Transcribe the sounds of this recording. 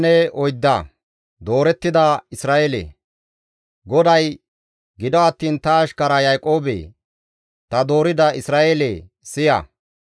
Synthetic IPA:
nɛɔjd̪ːɐ̰ | d̪o̞ːɾɛt̪ːɪd̪ɐɪsɾaːʔeːlḛ | ɡɔd̪ɐj | ɡɪd̪ɔɐt̪ːiːnt̪ɐːʃkɐɾɐjajkʼo̞ːbḛ | t̪ɐd̪o̞ːɾɪd̪ɐɪsɾaːʔele | sɪjɐ̰

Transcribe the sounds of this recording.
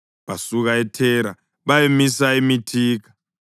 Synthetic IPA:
βasuɣaɛtʰɛːɾa | βajemisaimitʰiːk̬ʰḁ

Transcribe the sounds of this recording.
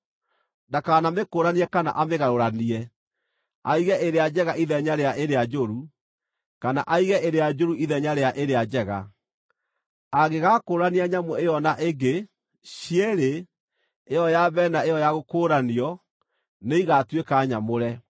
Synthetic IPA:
dakaːnamekoːɾaniɛkana̰ʔameɣaɾoɾaniɛ | aiɣɛʔeɾead͡ʑɛɣaiðɛɲaɾeaʔeɾead͡ʒoɾu | kana̰ʔaiɣɛʔeɾead͡ʒoɾuiðɛɲaɾeaʔeɾead͡ʑɛɣa̰ | aɣeɣaːkoːɾaniaɲamoejɔnaʔeɡe | ɕiɛɾe | ejɔjabɛːnaejɔjaɣokoːɾaniɔ | neiɣatwekaɲamoɾɛ

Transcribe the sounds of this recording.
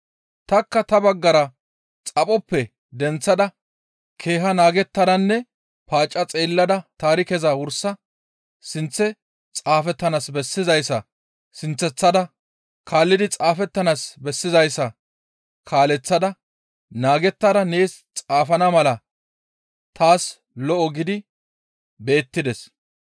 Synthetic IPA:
t̪ɐkːɐt̪ɐbɐɡːɐɾɐ | t͡sʼɐpʼɔpːɛ | d̪ɛnt͡sːɐd̪ɐ | kʰeːɦɐnaːɡɛt̪ːɐd̪ɐnːɛ | paːt͡ʃʼːɐt͡sʼeːlːɐd̪ɐt̪aːɾɪkɛzɐwʊɾsɐ | sɪnt͡sːɛ | t͡sʼaːfɛt̪ːɐnasbɛsːɪzɐjsːɐ | sɪnt͡sːɛt͡sːɐd̪ɐ | kʰaːlːɪd̪ɪt͡sʼaːfɛt̪ːɐnasbɛsːɪzɐjsːɐ | kʰaːlɛt͡sːɐd̪ɐ | naːɡɛt̪ːɐd̪ɐne̞ːst͡sʼaːfɐnɐmɐlɐ | t̪aːs | lɔʔɔɡɪd̪ɪ | be̞ːt̪ːɪd̪ɛs

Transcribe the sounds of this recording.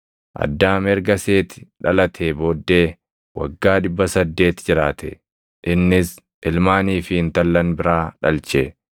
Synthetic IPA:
ʔɐ̰d̪ːaːmɛɾɡɐse̞ːt̪ɪ̥ᶑɐlɐt̪ʰeːboːd̪ːe̞ː | wɐ̰ɡːaːᶑɪbːɐsɐd̪ːe̞ːt̪d͡ʒɪɾaːt̪ʰɛ̰ | ʔɪnːɪs | ʔɪlmaːniːfɪɪnt̪ɐlːɐnbɪɾaːᶑɐlt͡ʃe

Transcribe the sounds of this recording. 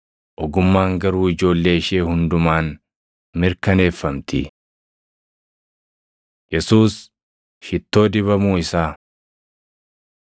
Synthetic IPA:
ʔɔɡʊmːaːŋɡɐɾuːɪd͡ʒo̞ːlːe̞ːɪʃe̞ːhʊnd̪ʊmaːn | mɪɾkɐne̞ːfːɐmt̪ɪ | jɛsuːs | hɪt̪ːo̞ːd̪ɪβɐmuːɪsaː

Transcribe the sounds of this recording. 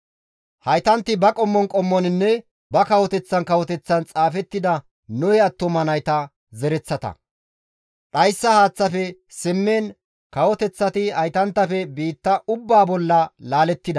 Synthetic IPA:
hɐjt̪ɐnt̪ːɪbɐkʼɔmːɔnkʼɔmːɔnɪnːɛ | bɐkɐwɔt̪ɛt͡sːɐnkɐwɔt̪ɛt͡sːɐnt͡sʼaːfɛt̪ːɪd̪ɐ | nɔjɛɐt̪ːɔmɐnɐjt̪ɐ | zɛɾɛt͡sːɐt̪ɐ̰ | ᶑɐjsːɐhaːt͡sːɐfɛsɪmːeːn | kɐwɔt̪ɛt͡sːɐt̪ɪhɐjt̪ɐnt̪ːɐfɛbiːt̪ːɐʔʊbːaːbɔlːɐlaːlɛt̪ːɪd̪ɐ

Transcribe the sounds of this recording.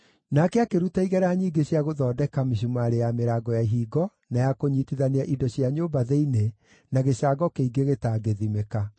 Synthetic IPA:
nakɛakeɾutaiɣɛɾaɲiːɡeɕjaɣoðɔːdɛkamiʃ̬umaɾejameɾaːɡɔjaiɦiːɡɔ | najakoɲiːtiðaneaʔidɔɕiaɲoːbaðeine | naɣeɕaːɡɔkeiɡeɣetaːɡeðimeka

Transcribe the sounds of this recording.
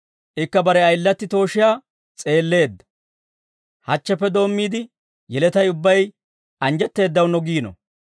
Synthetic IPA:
ʔɪkːɐbɐɾɛɐjlːɐt̪ːɪt̪o̞ːʃɪjaː | t͡sʼe̞ːlːe̞ːd̪ːɐ̥ | hɐt͡ʃːɛpːɛd̪o̞ːmːiːd̪ɪ | jɛlɛt̪ɐjʊbːɐj | ʔɐnd͡ʒɛt̪ːe̞ːd̪ːɐwnɔɡiːnɔ̰

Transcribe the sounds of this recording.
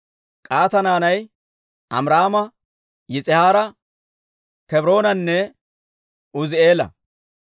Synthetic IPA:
kʼaːt̪ɐnaːnɐj | ʔɐ̰mɾaːmɐ | jɪt͡sʼɪhaːɾɐ | kɛbɾo̞ːnɐnːɛ | ʊzeːlɐ̰

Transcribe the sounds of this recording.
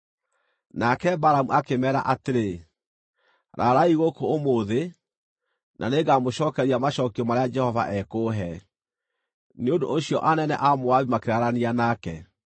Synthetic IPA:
nakɛbaɾamuʔakemɛːɾa̰ʔateɾe | ɾaɾaiɣokoːmoːðe | nʔa̰neɡamoɕɔːkɛɾiamaɕɔːkiɔmaɾead͡ʒɛhɔva̰ʔɛkoːɦɛ | neondo̰oɕijɔʔanɛnɛ̰ʔamowaβimakeɾaɾanianakɛ

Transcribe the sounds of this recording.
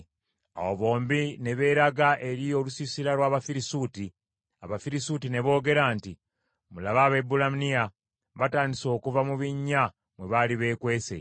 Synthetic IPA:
a̰woβo̞ːmbine̞βe̞ɾaɡaʔe̞ɾio̞lusisiɾalwaːβafiɾisuːti | aβafiɾisutine̞βo̞ːɡe̞ɾaːnti | mulaβaβe̞bulamnia | βataːndiso̞ːkuvamuβiɲːa | mwe̞βaliβe̞ːkwe̞ːse̞̰

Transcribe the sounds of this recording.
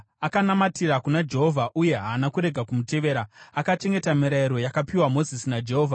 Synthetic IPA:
akanamatiɾakunad͡ʒe̞ɦo̞vʱaʔuje̞ɦaːnakuɾe̞ɡʱakumute̞ʋe̞ːɾaakat͡ʃe̞ŋɡe̞tamiɾaiɾo̞jakapiwamo̞zisinad͡ʒe̞ɦoːvʱa

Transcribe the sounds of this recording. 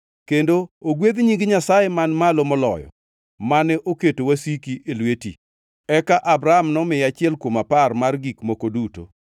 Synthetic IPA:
kendooɡwed̪ɲiŋɡɪɲasajemanmalomɔlɔ̰jɔ̰ | manɛʔoketowasikiʔelweti | ɛkaʔabɾaamnɔmɪjat͡ʃɪɛlkwomaparmarɡikmokoduto̰

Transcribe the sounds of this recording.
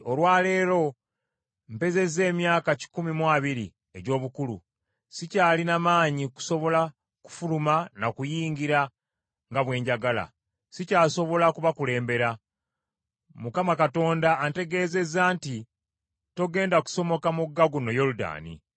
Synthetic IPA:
o̞lwaːle̞ːɾo̞ | mpe̞ze̞ze̞ːmjaːkaci̥kumimwaːβiɾi | e̞ɟo̞ːβukulṵ | sicaːlinamaːɲiku̥so̞βo̞la | ku̥fulumanakujiːɲɟiɾa | ŋɡaβwe̞ːɲɟaɡala̰ | sicaːso̞βo̞lakuβakule̞ːmbe̞ɾa | mukamakato̞ːndaːnte̞ɡe̞ːze̞zaːnti | to̞ɡe̞ːndaku̥so̞mo̞kamuɡːaɡuno̞jo̞luda̰ːnḭ

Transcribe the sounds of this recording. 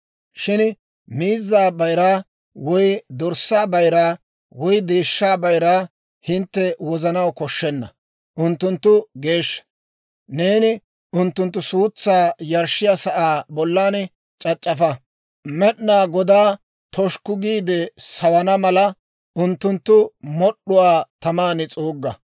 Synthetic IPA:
ʃɪn | miːzːaːbɐjɾaː | wɔjd̪ɔɾsːaːbɐjɾaː | wɔjd̪e̞ːʃːaːbɐjɾaː | hɪnt̪ːɛwɔzɐnɐwkɔʃːɛnːɐ | ʔʊnt̪ːʊnt̪ːʊɡe̞ːʃːɐ̥ | ne̞ːnɪ | ʔʊnt̪ːʊnt̪ːʊsuːt͡sːaːjɐɾʃːɪjɐsɐʔaːbɔlːaːn | t͡ʃʼɐt͡ʃʼːɐfɐ | mɛɗnaːɡɔd̪aː | t̪ʰɔʃkʊɡiːd̪ɛsɐwɐnɐmɐlɐ | ʊnt̪ːʊnt̪ːʊmɔɗʊwaːt̪ɐmaːnɪt͡sʼoːɡːɐ

